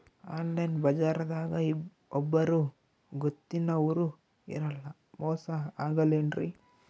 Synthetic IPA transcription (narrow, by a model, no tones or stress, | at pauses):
aːnlɐjnbɐd͡ʒaːɾɐd̪aːɡɐi | ɔbːɐɾu | ɡot̪ːinɐːʋɐɾu | ḭɾɐlːɐ | mɔːsɐaːɡɐlenɖɾʔḭ